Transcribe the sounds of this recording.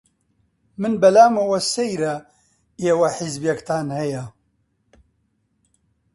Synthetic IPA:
mɨnbɐlaːmɐwɐsejɾɐ | eːwɐħizbjekt̪ʰaːnhɐjɐ

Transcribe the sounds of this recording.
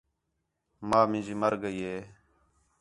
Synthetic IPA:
maːmɪ̃nd͡ʒiːməɾɡəiːɦeː

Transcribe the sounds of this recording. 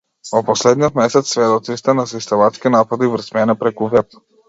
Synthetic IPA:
ɔpɔslɛd̪niɔt̪mɛsɛt̪sːvɛd̪ɔt̪ist̪ɛnasist̪ɛmat̪skinapad̪ivɾ̩smɛnɛpɾɛkuvɛp̪

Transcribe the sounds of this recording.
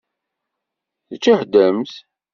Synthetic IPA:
θət͡ʃːiħd̪əmθ

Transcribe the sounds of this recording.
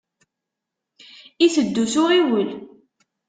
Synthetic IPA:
iθəd̪ːusʊʁiwəl

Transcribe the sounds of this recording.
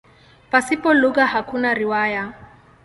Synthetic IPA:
pasipɔluɣahakunaɾiwaja

